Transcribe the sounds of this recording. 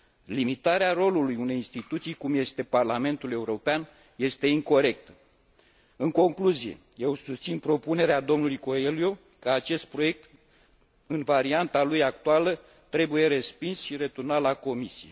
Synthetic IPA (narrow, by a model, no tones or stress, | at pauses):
limit̪aɾeaɾo̞lulujune̞jinst̪it̪ut̪sijkumje̞st̪e̞parlame̞nt̪ule̞uɾo̞pean | je̞st̪e̞iŋko̞ɾe̞k̚t̪ə̥ | ɨŋko̞ŋkluzije̞̰ | je̞wsust̪sinpɾo̞pune̞ɾead̪o̞mnulujko̞elio | kəat͡ʃe̞st̪̚pɾo̞je̞k̚t̪ | ɨnvaɾiant̪alujakt̪ualə | t̪ɾe̞buje̞ɾe̞spinsʃiɾet̪urnat̪lako̞misijḛ